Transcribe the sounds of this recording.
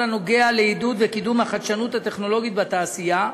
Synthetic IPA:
ano̞ɡe̞aleid̪ud̪vekid̪umhaχad̪ʃanut̪hat̪e̞χno̞lo̞ɡit̪bat̪aːsija

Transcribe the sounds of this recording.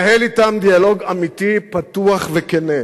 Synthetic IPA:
helit̪amd̪ialo̞ɡamit̪ipat̪uaχvekene

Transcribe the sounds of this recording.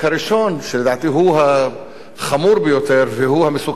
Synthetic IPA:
haɾiʃo̞nʃeled̪aːt̪iɦuɦa | χamuɾbejot̪e̞ɾveɦuhamesuk

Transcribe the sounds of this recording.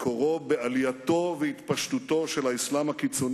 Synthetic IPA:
kʰoʁobealjat̪o̞veit̪paʃt̪ut̪o̞ʃelaislamhakit͡so̞n

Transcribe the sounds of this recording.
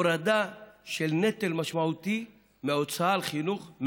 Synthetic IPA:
ɾad̪aʃelnet̪elmaʃmaut̪i | meot͡saalχinuχm

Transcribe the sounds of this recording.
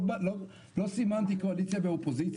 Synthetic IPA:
l | losimant̪ikoalit͡sjabeopozit͡s

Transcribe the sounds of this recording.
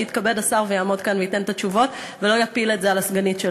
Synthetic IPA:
it̪kabedasaʁvejaːmo̞d̪kanveitent̪at͡ʃuvo̞t | velo̞japiletzealasɡanitʃe

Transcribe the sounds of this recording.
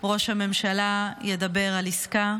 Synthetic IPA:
ʁo̞ʃhame̞mʃalajed̪abe̞ʁaliska

